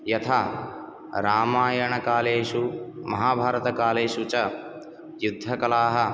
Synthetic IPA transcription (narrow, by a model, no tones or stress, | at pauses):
jɐt̪ʰaː | ɾaːmaːjɐɳɐkaːleːʃumɐɦaːbʱaːɾɐt̪ɐkaːleːʃut͡ʃɐ | jud̪ʱːɐkɐlaːɦɐ